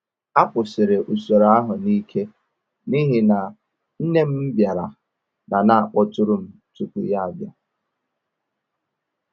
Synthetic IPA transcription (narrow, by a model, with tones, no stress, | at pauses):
a˦pʊ˨sɪ˨ɾɪ˨ʔu˨so˨ɾa˦ɦʊ˨ni˦kʰe˦ | ni˦ɦi˨na˨ | n̩˦ne˦m̩˦m̩˦bja˨ɾa˨ | na˨na˦a˨k͡pɔ˦tʊ˦ɾʊ˦m̩˨ | tu˦ku˨ja˦a˨bja˦